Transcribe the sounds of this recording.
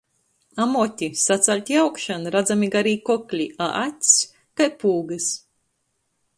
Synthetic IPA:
amɔt̪ʲisat̪salʲt̪ʲiawkʃanɾad̪zamʲiɡaɾiːkɔklʲiaʔat̪ʲs | kajpuːɡɨs

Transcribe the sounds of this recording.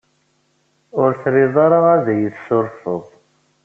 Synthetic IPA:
ʊɾθɾɪðˤɑɾˤaʁaðæjəθsʊɾfəðˤ

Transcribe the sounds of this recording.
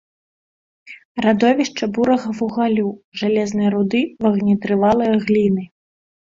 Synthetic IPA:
rad̪ɔvʲiʂt͡ʂɐbuɾɐɣɐvuɣalʲuʐalʲɛznɨjɐɾud̪ɨvɐɣnʲit̪ɾɨvalˠɨjɐɣlʲinɨ

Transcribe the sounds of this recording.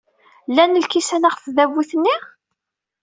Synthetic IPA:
lːænːəlkisænaʁfðævuθənːiʁ

